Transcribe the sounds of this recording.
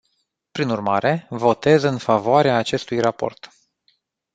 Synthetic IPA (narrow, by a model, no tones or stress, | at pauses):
pɾinurmaɾe̞vo̞t̪e̞zɨnfavoaɾeaːt͡ʃe̞st̪ujrapo̞̰rt̪